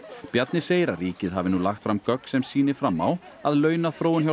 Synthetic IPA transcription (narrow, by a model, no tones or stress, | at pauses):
pjat̪nɪseːjɾaɾiːcɪðɦavɪnulaxt̪fɾamkœk̪sɛmsiːnɪ̥fɾamːaw | aðlœːɥnaθɾoːwɪnçja